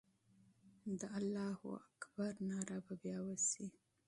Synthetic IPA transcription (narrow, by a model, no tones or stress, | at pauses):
d̪əalːɑhṵakbaɾnɑɾababjɑwəsi